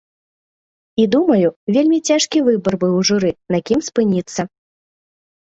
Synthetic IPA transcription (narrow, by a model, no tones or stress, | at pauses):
id̪umɐjuvʲelʲmʲit͡sʲaʂkʲivɨbɐrbɨwʐɨɾɨnakʲimspɨnʲit̪sːɐ